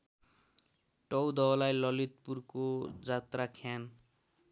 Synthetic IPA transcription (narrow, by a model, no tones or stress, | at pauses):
ʈʌwd̪ʌlajlʌlit̪purkod͡zat̪rakʰjan